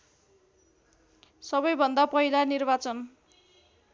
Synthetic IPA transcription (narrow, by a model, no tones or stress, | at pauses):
sʌbʌjbʱʌnd̪apʌɦilanirbat͡sʌn